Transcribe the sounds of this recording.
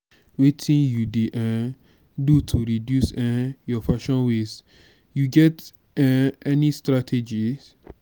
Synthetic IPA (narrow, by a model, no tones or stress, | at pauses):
wetʰĩnjudeʔã | dutʰuɾidjusɛjɔfaʃɔ̃nwes | juɡɛt | ɛɛnistɾatʰed͡ʒi